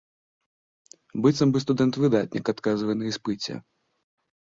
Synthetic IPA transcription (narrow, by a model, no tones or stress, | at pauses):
bɨt̪sɐmbɨst̪ud̪ɛnt̪vɨd̪at̪̚ʲnʲḭkat̪kazvɐjnɐispɨt͡sʲɛ̰